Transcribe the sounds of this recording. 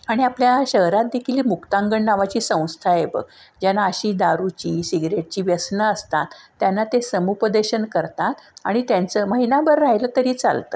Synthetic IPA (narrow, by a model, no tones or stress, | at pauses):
aɽ̃iapljaɕəɦɾat̪̚d̪ekʰiliːmukt̪aŋɡəɳnaʋat͡ɕiːsə̃w̃st̪ʰaebə̰ɡ | d͡ʑanaəɕiːd̪aɾut͡ɕiːsiɡɾeʈ̚t͡ɕiːʋjəsnəəst̪a̰t̪ːjanːat̪esəmupəd̪əɕənkəɾt̪at̪a̰ɽ̃it̪jant͡səməɦinabəɾːaɦjləːt̪əɾiːt͡sa̰lt̪ə̰